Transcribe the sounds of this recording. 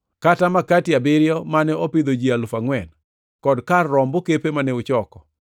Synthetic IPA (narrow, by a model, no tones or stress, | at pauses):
katamakatjabɪɾjɔmanɛopid̪od͡ʒialʊfaŋwɛn | kɔdkarːɔmbokepemaneʊt͡ʃɔkɔ̥